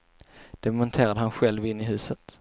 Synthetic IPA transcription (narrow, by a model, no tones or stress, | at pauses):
d̪̥ɛmɔnt̪ʰeːɾad̪əɦanɧɛlvɪnːɪɦʉ̟ːsət̪